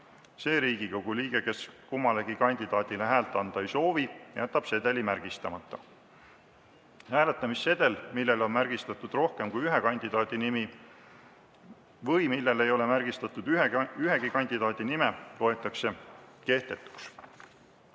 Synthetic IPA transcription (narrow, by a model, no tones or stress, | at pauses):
se̞ːɾiːɡikowɡ̥uliːɡ̥e̞ke̞skumːɑle̞ɡ̥ikɑnʲd̪̥id̪̥ɑːd̪ileɦæːlt̪ːˑɑnd̪̥ɑejso̞ːvijæt̪ːˑɑb̥se̞d̪̥e̞limærɡ̥ist̪ɑmɑt̪ːˑɑ | hæːle̞t̪ːˑɑmisːe̞d̪̥e̞lmilːe̞lo̞nmæɾɡ̥ist̪ɑt̪ːˑud̪̥ro̞hke̞mkujyɦe̞kɑnʲd̪̥id̪̥ɑːd̪̥inimi | vɤjmilːe̞le̞jo̞le̞mærɡ̥ist̪ɑt̪ːud̪yɦe̞ɡ̥ikɑnʲd̪id̪ɑːd̪̥inime̞t̪o̞e̞t̪ːˑɑkse̞ke̞ht̪e̞t̪ːˑu̥ks